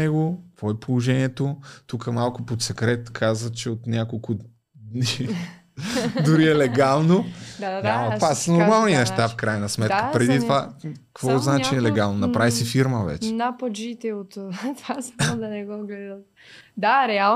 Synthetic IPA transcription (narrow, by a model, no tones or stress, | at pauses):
ɛɡokk̪vɔɛpolˠoʒɛniɛt̪ot̪ukəmalˠkʊpot̪sɛkɾɛt̪kʰazvət̪t͡ʃɛot̪nʲakolˠkʊ | d̪ni | d̪ʊɾiɛlɛɡalˠnod̪ad̪at̪vasənoɾmalˠninɛʃt̪afkɾajnɐsmɛt̪kəpɾɛd̪it̪ovakkvɔznat͡ʃiɛlɛɡalˠnonɐpɾavisɛfiɾməvɛ̰t͡ʃɛnapɐd͡ʒit̪ɛot̪t̪vasmad̪ɐnɛɡɔɡlɛd̪ət̪ | d̪aɾɛa